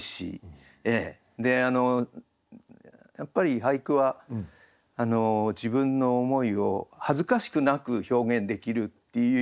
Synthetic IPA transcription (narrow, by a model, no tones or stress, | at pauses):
ɕḭ | eː | d̪e̞ano̞ | japːaɾʲiɦaikɯ̟βaː | no̞d͡ʑibɯ̟̃nːo̞ːmo̞io̞hazɨkaɕi̥kɯ̟nakɯ̟ço̞ːɡẽ̞nd̪e̞kʲiɾɯ̟t̪ːejɯ